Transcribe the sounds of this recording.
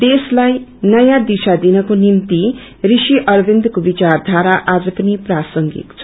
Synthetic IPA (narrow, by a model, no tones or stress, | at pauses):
d̪eslajnʌjãd̪isad̪inʌkonimt̪i | risiʔʌrbind̪kobit͡sard̪ʱaɾaʔad͡zʌpʌniprasʌŋɡḭt̪t͡sʰ